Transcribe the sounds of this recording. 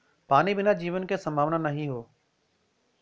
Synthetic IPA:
paːnibɪnad͡ʑiːʋənkʰeːsɐ̃mbʱaːʋnanɐɦĩɦoː

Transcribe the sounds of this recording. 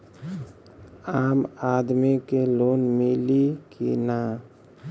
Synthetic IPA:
aːmaːd̪mikeloːnmɪlikḭna

